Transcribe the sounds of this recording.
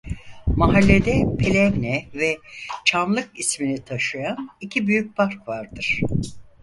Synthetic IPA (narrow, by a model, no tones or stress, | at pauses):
maɦalʲːe̞d̪ɛpʰelʲɛvnɛvɛt͡ʃʰanlˠɯkisminit̪ʰaʃɯjanicʰibyjyc̚pʰaɾkvaɾd̪ɯɾ̥